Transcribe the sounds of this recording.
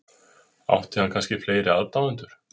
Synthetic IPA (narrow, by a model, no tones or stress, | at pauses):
a̰wht̪ɪhankʰanscɪfleːjɾɪaðt̪awɛnt̪ʏɾ̥